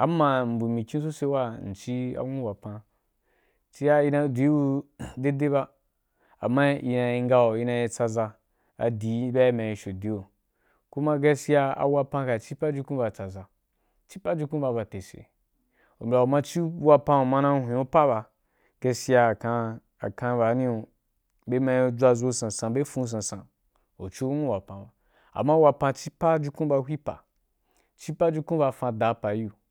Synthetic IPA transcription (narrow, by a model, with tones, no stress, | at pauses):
a˨˦mã˨m̩˨bu˨mĩ˨kʲĩ˦s̬o˦se˧˦wa˦n̩˨t͡ʃi˦a̰˨wũ˦wa˨pã˧ | t͡ʃi˦ja˦i˧na˧˨dʷi˨˦i˦u˧de˦de˦ba˧ | a̰˨ma˦i˧na˧i˧ŋ˦ɡa˦o˨i˧˦na˧ji˧t͡sa˧za˧ | a̰˨di˨˦ba˦i˦ma˨ji˧ʃo˨di˨˦o˨ | ku˦ma˦ɡa˦si˦ja˦a̰˨wa˦pã˧ka˨t͡ʃi˦pa˦d͡ʒi˧kũ˦ba˨t͡sa˨za˨ | t͡ʃi˦pa˦d͡ʒi˦ku˦ba˧˨ba˨te˨sḛ˨ | o̰˨m˨a˨o˨mã˧t͡ʃi˦wa˧pã˧o˨mã˧nã˧˦hʷĩ˨o˦pa˦ba˧ | ɡ̥e˧si˦ja˧˨ka˧ | a˨kã˧˦ba˨˦nĩ˦o˧ | be˦mã˧˦o˧d͡ʒʷa˧zo˧˦sã˨sã˧be˦fũ˧˦s̬ã˨sã˨ | o̰˨t͡ʃo˦nu˦wa˨pã˨ba˨ | a̰˨ma˦wa˧pã˧t͡ʃi˦pa˦d͡ʒu˧kũ˦ba˧hʷi˦pa̰˨ | t͡ʃi˦pa˦d͡ʒu˧kũ˦ba˧fã˧da˨˦pa˨˦ju˦˨